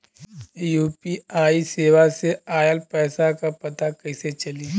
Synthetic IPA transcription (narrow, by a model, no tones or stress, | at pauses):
juːpiaːiseːʋaseaːjəlpɛːsakapɐt̪akɐɪset͡ʃɐliː